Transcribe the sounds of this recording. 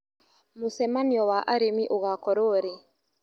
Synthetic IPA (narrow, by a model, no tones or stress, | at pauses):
musɛmaniɔwaʔaɾemiʔuɣakɔɾoɾɛ